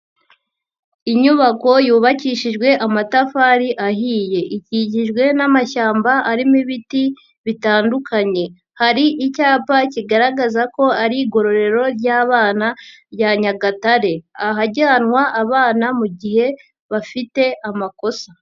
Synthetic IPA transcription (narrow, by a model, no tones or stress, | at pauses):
iɲuβako̞juːβaciʃiʒɡwe̞ʔamatafaɾiʔaɦiːje̞ʔiciɟiʒɡwe̞namaʃaːmbaʔaɾimiβiti | βitaːndukʰaɲe̞ | haɾiʔicaːpaciɡaɾaɡazako̞aɾiːɡo̞ɾo̞ɾe̞ɾo̞ɾɟaːβaːnabjaɲaɡataɾe̞aɦaɟaːnŋwaʔaβaːnamuɟiɦe̞ | βafite̞amako̞sḁ